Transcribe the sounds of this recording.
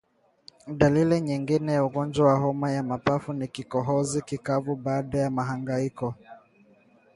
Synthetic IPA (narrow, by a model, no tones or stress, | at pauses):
ɗaliliɲiŋɡinɛjauɡɔnd͡ʒwawaɦɔmajamapafunikikɔɦɔzikikavuɓaːɗajamaɦaŋɡaikɔ